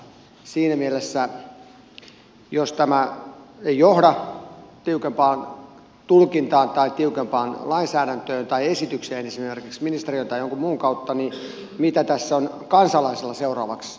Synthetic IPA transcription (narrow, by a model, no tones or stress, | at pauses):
siːnæmielesːæ | jost̪æmæejjohɾɑt̪iukempɑːn | t̪ulkint̪ɑːnt̪ɑit̪iukempɑːnlɑinsæːɾænt̪øːnt̪ɑiesit̪ykseːnesimerkiksminist̪eriøːnt̪ɑijoŋkummuːŋkɑut̪ːɑni | mit̪æt̪æsːon | kɑnsɑlɑiselːɑseurɑ̰ːʋɑks